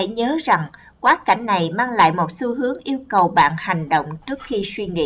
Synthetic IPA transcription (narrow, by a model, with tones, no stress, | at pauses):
ɲəː˨˦za˨˩ŋ | kwaː˨˦˥ka̰˧˩jŋ̟na˨˩jmaː˧ŋla̰ː˧˨jmo˨˩t̚su˧ɦɨ˨˦əŋʔi˧əwkə˨˩wɓa̰ː˧˨nha˨˩jŋ̟ɗo̰˧˨wŋ͡mt͡ɕɨ˦˥ək̚xi˧swi˧ŋḭ˧˥